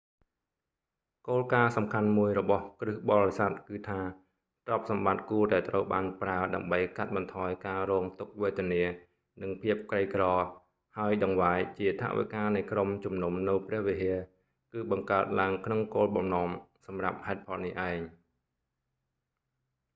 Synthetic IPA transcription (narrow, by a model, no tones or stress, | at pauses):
koːlkaːsɑmkʰanmuəjrɔɓɑhkrɨhɓɑlisat̪̚kɨːt̪ʰaː | t̪rɑp̚sɑmɓat̪̚kuətɗaɛlt̪rəwɓaːnpraəɗaəmɓəjkat̪̚ɓɑnt̪ʰɑːjkaːrɔːŋt̪uk̚ʋeːt̪ɛəniə | nɨŋpʰiəp̚krəjkrɑː | haəjɗɑŋʋaːjt͡ɕiət̪ʰa̰ʔʋḭkaːnɨjkromt͡ɕumnumnɨwprɛ̆əhʋiɦiə | kɨːɓɑŋkaət̪̚laəŋkʰnoŋkoːlɓɑmnŏəmsɑmrap̚haɛt̪̚pʰɑlnihʔaɛŋ